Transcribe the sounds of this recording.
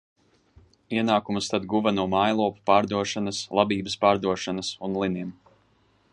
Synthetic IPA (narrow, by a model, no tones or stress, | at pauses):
iɛnaːkumust̪ad̪ɡuvɐnuɔmajlˠuɔpu̥paːɾd̪uɔʃanɐslˠabiːbəspaːɾd̪uɔʃanasunlˠiniɛm